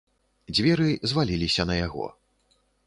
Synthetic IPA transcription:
d͡zʲvʲɛɾɨzvalʲilʲisʲɐnɐjaɣɔ̰

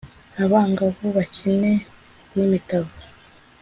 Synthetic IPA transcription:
aβaːŋɡaβoβacine̞ | nimitaβo

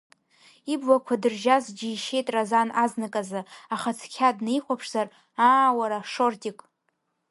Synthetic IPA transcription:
ibwakʷʰadɨrʒazd͡ʒiiʃe̞jtʼrazanaznɨkʼazɨaχat͡sʰkʲʰadnejχʷapʰʂz̥ar | aːwaɾaʂo̞rtʼikʼ

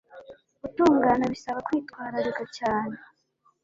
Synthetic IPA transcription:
utuːŋɡaːnaβisaβakwiːtkwaːɾaɾeɡacaːne̞

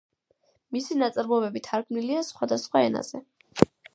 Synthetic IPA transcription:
misinat̪sʼɾmɔɛbɛbit̪ʰaɾɡmniliasχwad̪asχwaɛna̰z̥ɛ

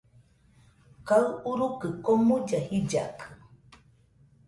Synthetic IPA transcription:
kaɨuɾukɨkomud͡ʒahid͡ʒa̰kʰɨ̥

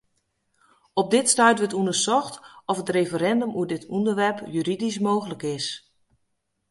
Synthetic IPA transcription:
ɔp̚dɪtstœɥtʋətundəsɔxtɔfətrefəɾɛndomuədɪtʰundəɹʋɛrpjyɾidismoːxələkɪs

